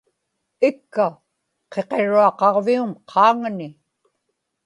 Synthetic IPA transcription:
ɪkːa | qe̞qe̞ɻuɑqɑʁviumqʰɑːŋnɪ

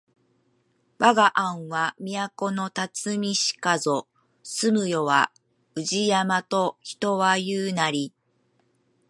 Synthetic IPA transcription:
βaɡaʔãɰ̃βamʲijako̞no̞t̪at͡sɨmʲiɕi̥kazo̞ | sɨmɯ̟jo̞βa | ɯʑijamat̪o̞çi̥t̪o̞βajɯːnaɾʲi

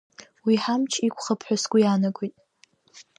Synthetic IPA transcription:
wiħamt͡ʃʰikʷʰʼχəpʰħʷᶣasɡʷijanakʷʼijtʼ

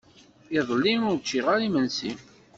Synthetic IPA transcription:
ɪðˤlːinʊɾt͡ʃːiʁaɾimənsi

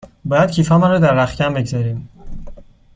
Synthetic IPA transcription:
bɒːjæd̪̚cʰiːfɒːmænɾod̪æɾːæxcæmbe̞ɟzɒːɾiːm

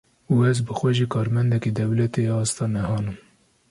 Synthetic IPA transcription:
uːɛzbɨxʷɛʒiːkʰɑːɾmɛnd̪ɛkid̪ɛwlɛt̪eɑːst̪ɑːnɛhɑːnɨm

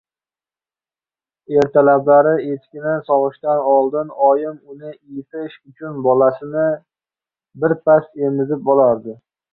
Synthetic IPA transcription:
e̞ɾt̪ʰalablaɾɪet̪kʲɪnɪsɒʁɨʃt̪anɒlˠd̪ɪnɒjɪmʊnɪɪjɪt̪ʰɪʃʊt͡ʃʰʊnbɒlasɪnɪ | bɪɾpʰase̞mɪzɪp̚bɒlaɾd̪ɪ

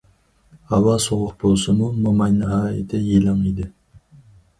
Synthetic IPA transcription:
hɑwɑsoʁʊq̚b̥olˠsɨmumomɑjnɪɦɑːjɪt̪ʰɛjelɑŋid̪ɪ

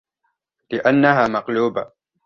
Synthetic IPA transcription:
lɪʔanːaɦaːmɑqluːba

